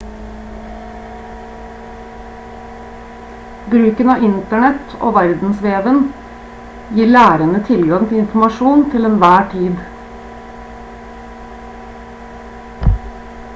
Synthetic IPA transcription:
bɾʉːkənɑːɪnt̪əɳɛt̪o̰ːʋæɾd̪n̩sʋeːʋən | jiːlæːɾənət̪ʰɪlɡɑŋt̪ʰɪlɪnfmɑʃuːnt̪ʰɪlɛnʋæːʈʰiːd̪

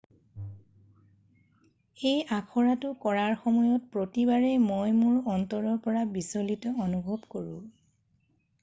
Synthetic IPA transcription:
ejakʰɔɹatʊkɔɹaɹxɔmɔjɔt̚pɹotibaɹɛmojmuɹɔntɔɹɔɹpɔɹabisolitɔonubʱɔbkoɹṵ̃

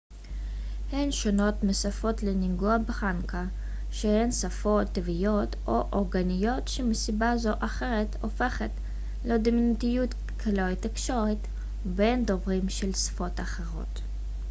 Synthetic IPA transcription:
henʃono̞t̪mesafo̞tleniŋɡuabeχanka | ʃehensafo̞tːevijo̞tʔoʔoʁɡanijo̞tʃemesibazo̞ʔaχe̞ʁeto̰fe̞χet | led̪iminutijut̪ | kʰaloit̪ikʃoʁit | bend̪ovʁimʃelsfo̞t̪aχeʁo̞̰t̪

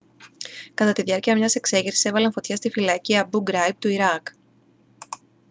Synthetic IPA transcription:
kɐt̪ɐt̪iðʝɐɾciɐmɲɐse̞kse̞ʝisise̞vɐlɐɱfo̞t̪çɐst̪ifilɐciɐbuɡɾɐjp̚t̪uiɾɐk

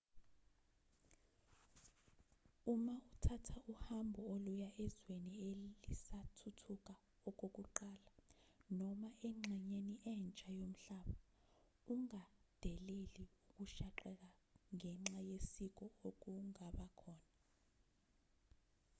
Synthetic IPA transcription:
umautʰatʰaʔuhambʱɔolujaʔɛzwenielisatʰutʰuk̬ʼa | ɔk̬ʼok̬ʼuǃaːlanɔmaʔɛŋ͡ǁʱɛɲeniʔɛnt͡ʃʼajom̩ɬaɓa | uŋad̥ʱɛleliuk̬ʼuʃaǃɛk̬aŋɛŋ͡ǁajesik̬ɔok̬uŋaɓakʰɔːna

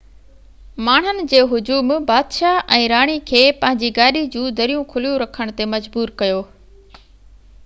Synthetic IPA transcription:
maːɳ̤ənɪ̆d͡ʑeːɦʊd͡ʑuːmbaːd̪ʃaʔɛ̃ːɾaːɽ̃ikʰeːpɐ̃ɦɪ̃ɲd͡ʑiɡaːɗid͡ʑũːd̪ɐɾijũkʰʊlijũɾɐkʰəɽ̃t̪emɐd͡ʑbuːɾkɐjoː

